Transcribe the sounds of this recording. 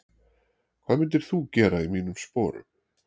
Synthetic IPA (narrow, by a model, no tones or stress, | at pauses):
kʰv̥aːðmɪnt̪̬ɪɾ̥θucɛːɾaimiːnʏmspɔːɾʏ̰m